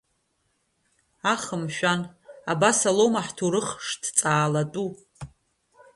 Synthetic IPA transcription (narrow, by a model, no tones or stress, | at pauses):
aχəmʃᶣanabasalomaħtʰuɾɨχʂtʰt͡sʼaːlatʼu